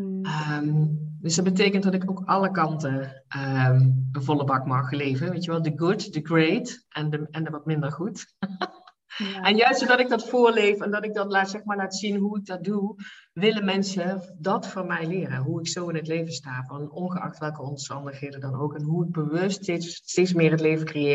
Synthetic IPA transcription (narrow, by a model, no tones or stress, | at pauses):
əmdøsd̥ɑtd̚bət̬ejkənt̚dɑtɪkowkɑləkɑntə | ʔəənvɔlˠəbɑkmɑxlejvənʋejtjəʋɛlˠdəɡutdəɡretʔɛndəɛndəʋɔt̚mɪndərχut | ɛnjœɥstsodɑtɪɡ̚dɑtfʊːɹlejfɛndɑtɪɡ̚dɑnlaːtsɛxmaːɹlaːtsinɦuɪk̚dɑt̚duʋɪləmɛnsədɑtfʊːɹmɛjlɪːrəɦuɪksowɪnɦətlejvəstaːvɔnɔnɣəɑ̰xtʋɛlˠkəɔmstɑndəxɦejdəndɑnowkɛnɦuəd̚bəʋɵstestetsmɪːrətlejvəkrejɪ